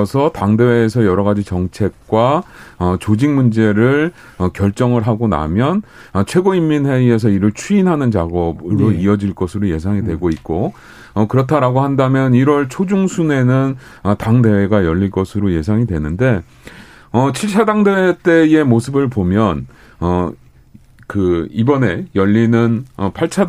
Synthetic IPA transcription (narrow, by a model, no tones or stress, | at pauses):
sʰʌtaŋde̞weːsʰʌjʌɾʌɣad͡ʑit͡ɕʌŋt͡ɕʰe̞k̚k͈waʌt͡ɕod͡ʑiŋmund͡ʑe̞ɾɯɭ | ʌkjʌɭt͡ɕ͈ʌŋɯɭɦaɡona̰mjʌnʌt͡ɕʰwe̞ɡoimːinɦe̞ie̞s̬ʰʌiɾɯɭt͡ɕʰuinɦanɯnt͡ɕaɡʌbɯɾoiʌd͡ʑiɭk͈ʌsʰɯɾoje̞s̬ʰaŋidwe̞ɡoit̚k͈o | ʌkɯɾʌtʰaɾaɡoɦandamjʌniɾwʌɭt͡ɕʰod͡ʑuŋsʰune̞nɯnʌtaŋde̞we̞ɡajʌʎːiɭkʌsʰɯɾoje̞sʰaŋidwe̞nɯnde̞ | ʌt͡ɕʰiɭt͡ɕʰadaŋdewet͈e̞e̞mosʰɯbɯɭpomjʌn | ʌ | kɯibʌne̞jʌʎːinɯnʌpʰaɭt͡ɕʰa